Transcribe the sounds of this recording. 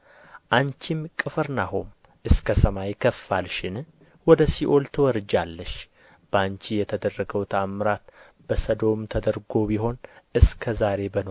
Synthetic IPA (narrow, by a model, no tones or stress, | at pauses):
ʔant͡ʃimkʼɨfɨɾnaɦom | ʔɨskʰəsəmajkʰəfːalʃɪn | wɔd̪əsiʔo̞lt̪ʰɨwɔɾɨd͡ʒalːəʃ | b̥əant͡ʃijɛt̪ʰəd̪ərːəɡəwt̪ʰamːɾat̪ | b̥əsəd̪o̞mt̪ʰəd̪əɾɡo̞biɦo̞nʔɨskʰəzaɾe̞bəno